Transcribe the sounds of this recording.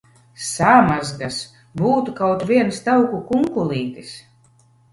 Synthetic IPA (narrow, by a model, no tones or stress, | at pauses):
samazɡas | buːt̪ukawt̪vʲiɛnst̪awkukuŋkulˠiːt̪is